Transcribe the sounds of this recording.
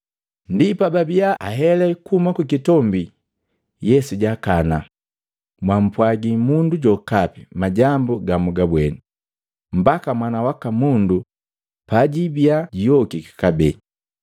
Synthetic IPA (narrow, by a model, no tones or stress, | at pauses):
ndipababiaʔaɦɛlɛkumakwikitɔmbi | jɛsuɟakana | mwam̩pwaɡimunduɟɔkapimaɟambɔɡamuɡabwɛni | m̩bakamwanawakamundu | paɟibjaɟijɔkikḁkabɛ̰